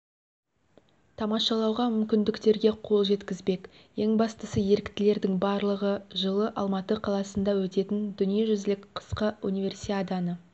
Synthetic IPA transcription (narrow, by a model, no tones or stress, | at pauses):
t̪ʰɑmɑʃɑlˠɑwʁɑmʏmkʲɪnd̪ɪkt̪e̞ɾɡʲe̞qʰo̞lˠʒe̞t̪kʲɪzbe̞k | je̞ŋbɑst̪əsəje̞ɾɪkt̪ɪle̞ɾd̪ɪŋbɑɾlˠəʁəʒəlˠəʔɑlˠmɑt̪əqʰɑlˠɑsənd̪ɑwɵt̪e̞t̪ɪnd̪ʏnijeʒʏzlɪkqʰə̥sqəunʲivʲe̞rsiad̪anə